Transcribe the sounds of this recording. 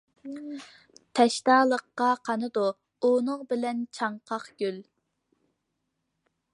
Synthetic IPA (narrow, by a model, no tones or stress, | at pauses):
t̪ʰɛʃt̪ɑːlˠəqːɑqʰɑnɨd̪u | unɨŋbɪlɛnt͡ʃʰɑɴqʰɑqɡʲyl